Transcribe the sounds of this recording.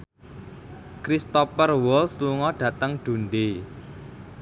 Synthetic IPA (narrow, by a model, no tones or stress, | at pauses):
kɾist̪ɔpərwɔlsluŋɔɖ̥ä̤t̪əŋɖ̪̥ṳnɖe